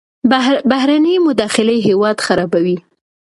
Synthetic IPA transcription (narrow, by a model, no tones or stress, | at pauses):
baɦɾanəjmʊd̪ɑxɪlejɦewɑd̪xaɾɑbawi